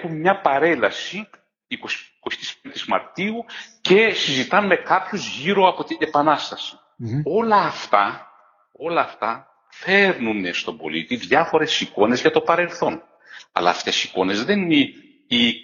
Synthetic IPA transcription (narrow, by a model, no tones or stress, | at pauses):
xumɲɐpɐɾe̞lɐsi | ikosi̥kosi̥t̪i̥spd̪et̪izmɐ̰ɾt̪iuce̞sizit̪ɐnme̞kɐpçozʝiɾo̞ɐpo̞t̪ine̞pɐnɐst̪ɐsi̥ | o̞lɐːft̪ɐ | o̞lɐːft̪ɐ | fe̞ɾnunest̪o̞bo̞̰lḭt̪iðʝɐfo̞ɾe̞siko̞ne̞zʝɐt̪o̞pɐɾe̞lθo̞n | ɐ̰lɐ̰ːft̪e̞siko̞ne̞zðe̞nine | i